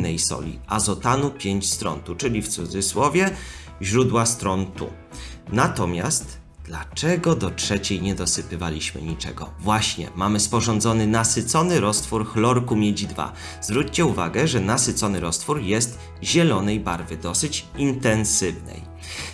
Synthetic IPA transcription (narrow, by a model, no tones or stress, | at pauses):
nɛjsɔ̰lʲḭʔazɔt̪anupʲjeɲt͡ɕst̪ɾɔ̰nt̪ut͡ʂɘlʲift̪sud̪zɘswɔvʲjɛ | ʑɾud̪wast̪ɾɔnt̪ṵ | nat̪ɔmʲa̰st̪ | d̪lat͡ʂɛɡɔd̪ɔtʂɛt͡ɕejɲɛd̪ɔsɘpɘvalʲiɕmɘ̰ɲit͡ʂɛ̰ɡɔ̰vwaɕɲɛ̰mamɘspɔʐɔnd̪zɔnɘnasɘt̪sɔnɘɾɔst̪fuɾxlɔɾkumʲjed͡ʑid̪va̰ | zvɾut͡ɕt͡ɕɛuva̰ɡɛʐɛnasɘt̪sɔnɘɾɔst̪fuɾjɛst̪ | ʑɛlɔnɛjbaɾvɘd̪ɔsɘt͡ɕint̪ɛnsɘvnɛ̰j